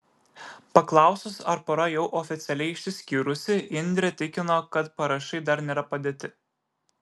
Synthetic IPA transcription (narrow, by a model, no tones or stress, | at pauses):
pɐklˠɑˑʊsʲʊsɐɾpɔɾɐjɛʊʔɔfʲɪt̪sʲɛlʲɛɪɪʃʲsʲɪsʲkʲiːɾʊsʲɪɪnʲd̪ʲɾʲɛt̪ʲɪkʲɪnokɐt̪pɐɾɐʃɐɪd̪ɐɾnʲeːɾɐpɐd̪ʲeːt̪ʲɪ